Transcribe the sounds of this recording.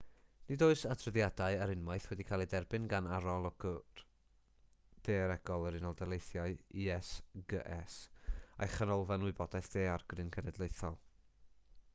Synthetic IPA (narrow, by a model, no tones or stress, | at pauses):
nɪdoːɨsatʰrəðjadaɨaɾɪnmaɨθwɛdikʰaːlˠidɛrbɨnɡanaɾɔlˠɔɡə̥ | d̥eːɾɛɡ̥ɔlˠəɾɪnɔlˠdalˠejθjaɨiɛsɡə̰ʔɛsa̰jχənɔlˠvanwʊɨbɔd̥aɨθd̥eːarɡrɨnkʰənɛdlˠejθɔlˠ